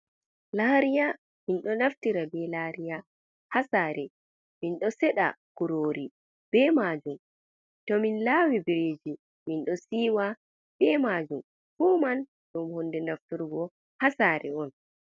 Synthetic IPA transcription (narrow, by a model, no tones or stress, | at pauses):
laːɾija | minɗɔnaftiɾabɛlaɾija | hasaːɾɛ | minɗɔsɛɗa̰ɡ̥uɾoːɾi | b̥ɛmad͡ʒum | tɔminlaːwibiɾeːd͡ʒi | minɗɔsiːwa | b̥ɛmad͡ʒum | fuːman | ɗumhondɛnaftuɾɡɔ | hasaɾɛ̰ɔn